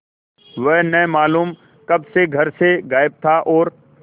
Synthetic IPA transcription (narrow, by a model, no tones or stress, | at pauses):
ʋɛɦnɛmaːluːm | kɐbseɡʱɐɾseɡaːɪb̚t̪ʰaʔɔːɾ